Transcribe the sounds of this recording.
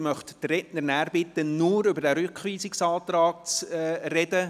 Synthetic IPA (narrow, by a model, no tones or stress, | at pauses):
mœχttrɛtnəɾnæːɾbɪt̪ənʊːɾʏbəɾdæɾʏkχʋiːsɪksɑːt̪ɾɑːk̚t͡sːrɛdə